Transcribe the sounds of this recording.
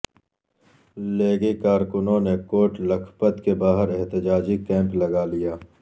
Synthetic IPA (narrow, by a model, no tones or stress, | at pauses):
leːɡikaːɾkʊnõnekoːʈlɐkʰpət̪kebaːɦəɾɛɦt̪ɪd͡ʒaːd͡ʒikɛ̃ːmplɐɡalijaː